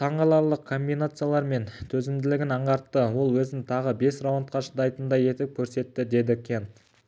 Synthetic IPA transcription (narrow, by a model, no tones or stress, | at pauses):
t̪ʰɑɴʁɑlˠɑɾlˠəq̚kʰo̞mbijnat̪sɨjalˠɑɾme̞nt̪ʰɵzɪmd̪ɪlɪɡʲɪnɑɴʁɑɾt̪ːəwo̞lˠwɵzɪnɪt̪ʰɑʁəbe̞srowont̪̚qɑʃəd̪ɑjt̪ənd̪ɑje̞t̪ɪp̚kʲʰɵɾse̞t̪ːɪd̪e̞d̪ɪkʲʰe̞nt̪